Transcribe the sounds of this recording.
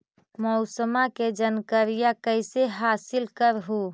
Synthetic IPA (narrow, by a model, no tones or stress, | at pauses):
mɔʊsəmaked͡ʒənkəɾijakəɪseɦaːsɪlkəɾɦu